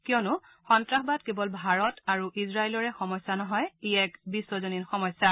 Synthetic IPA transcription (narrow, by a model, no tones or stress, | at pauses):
kiɔnʊ | xɔntɹaxbadkebɔlbʱaɹɔtaɹuʔizɹailɔɹɛxɔmɔjsːanɔɦɔjeɛkbisːɔzoninxɔmɔjsa